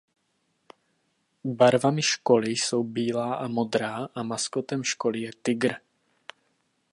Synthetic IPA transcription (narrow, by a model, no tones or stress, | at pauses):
baɾvamɪʃko̞lɪso̞wbiːlaːʔamo̞d̪ɾaːʔamaskot̪ɛmʃkolɪjɛt̪ɪɡɾ